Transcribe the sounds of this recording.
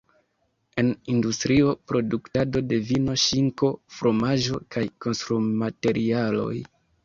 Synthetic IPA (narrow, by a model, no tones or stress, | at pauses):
e̞nindustɾio̞pɾo̞duktado̞de̞vino̞ʃiŋko̞fɾʔo̞maʒo̞̰kajko̞nstɾumate̞ɾʔialo̞̰j